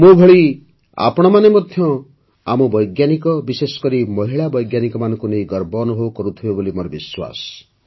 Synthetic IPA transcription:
mubʱeɭi | a̰pɔɽ̃ɔmanemɔd̪ʱjɔ | amɔbɔjɡjanikɔbisesɔ̥kɔɾimɔɦiɭabɔjɡjanikɔmanɔ̃ŋkunejɡɔɾbɔnɔɦowkɔɾut̪ʰibebolimoɾɔbiswa̰s

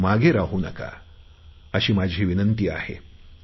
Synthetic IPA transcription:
maɡʱeɾaɦuna̰ka̰ | əɕiːmad͡ʑʱiːʋinənt̪iːa̰hḛ

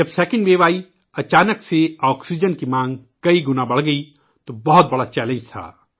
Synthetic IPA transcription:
d͡ʒɐbsɛːkə̃ɳɖʋeːʋaːi | ɐt͡ʃaːnəkseɔːksid͡ʒənkimãːŋɡkɐiɡʊnabɐɽ̤ɡɐi | t̪obɐɦʊt̪̚bɐɽat͡ʃɛːlə̃nd͡ʒt̪ʰa̰ː

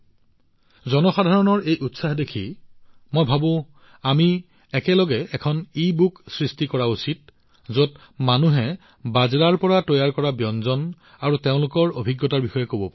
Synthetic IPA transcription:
zɔnɔxadʱaɹɔnɔɹejʔutsaɦdekʰḭ | mojbʱabʊ̃ | ami | ɛkɛlɔɡɛɛkʰɔnibuksɹistikɔɹausit̚ | zot | manuɦɛ | bazɹaɹpɔɹatɔjaɹkɔɹabjɔnzɔn | aɹuteʊ̃lʊkɔɹobʱiɡːɔtaɹbixɔjɛkobɔpa

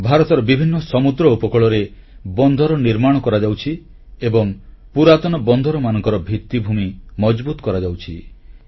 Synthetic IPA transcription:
bʱaɾɔt̪ɔɾɔbibʱinːɔsɔmud̪ɾɔupɔkɔɭɔɾe | bɔnd̪ʱɔɾɔniɾmaɽ̃ɔkɔɾad͡ʒawt͡ʃʰi | ebɔŋpuɾat̪ɔnɔbɔnd̪ʱɔɾɔmanɔ̃ŋkɔɾɔbʱit̪ːibʱumimɔd͡ʒbut̪ɔkɔɾad͡ʒawt͡ʃʰi

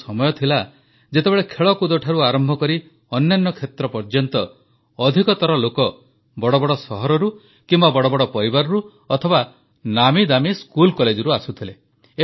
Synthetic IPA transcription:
sɔmɔjɔt̪ʰila | d͡ʒet̪ebeɭekʰeɭɔkud̪oʈʰaɾuaɾɔmbʱɔkɔɾi | ɔnjanːɔkʰet̪ɾɔpɔɾd͡ʒɔnt̪ɔː | d̪ʱikɔt̪ɔɾɔlokɔ | bɔɽɔbɔɽɔsɔɦɔɾɔɾu | kimbabɔɽɔbɔɽɔpɔɾibaɾɔɾu | ɔt̪ʰɔba | namid̪amiskulkɔled͡ʒɔɾuasut̪ʰile

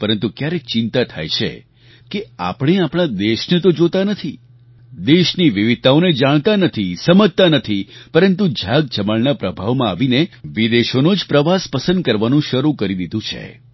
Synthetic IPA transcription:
pəɾənt̪ukjaɾet͡ʃɪ̃nt̪at̪ʰa̰jt͡ʃʰḛ | kea̰pɽ̃eapɽ̃ad̪eʃnet̪od͡ʒot̪anət̪ʰi | d̪eʃniʋiʋid̪̚t̪aoned͡ʒaɽ̃t̪anət̪ʰisəməd͡ʒ̚t̪anət̪ʰipəɾənt̪ud͡ʒʱaɡ̚d͡ʒəməɭnapɾəbʱaʋmãaʋineʋid̪eʃonod͡ʒpɾəʋaspəsə̃nd̪̚kəɾʋanũʃəɾukəɾid̪id̪ũt͡ʃʰḛ

